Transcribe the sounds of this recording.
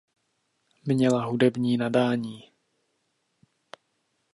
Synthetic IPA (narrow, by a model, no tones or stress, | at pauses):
mɲɛlaɦudɛbɲiːnadaːɲiː